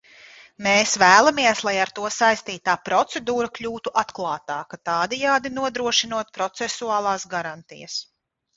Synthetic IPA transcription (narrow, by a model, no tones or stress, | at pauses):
meːsvæːlˠamiɛslˠajaɾt̪uɔsajst̪iːt̪aːpɾɔt̪sɛd̪uːɾaklʲuːt̪uʔat̪klˠɑːt̪aːkat̪ɑːd̪ɛjaːd̪inuɔd̪ɾuɔʃinuɔt̪̚pɾɔt̪sɛsuaːlˠaːsɡaɾant̪ḭjɐ̰s